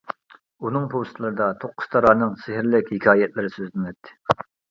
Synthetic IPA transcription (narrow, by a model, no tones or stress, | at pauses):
unɨŋpʰowst̪ʰlˠɨɾɨd̪ɑt̪ʰoqʰːʊ̥st̪ʰɑɾɑːnɨŋsɪɦɪɾlɪkʲhɪkʲʰɑːjɛt̪lɪɾɪsøzlɪnɛt̪ʰːɪ̥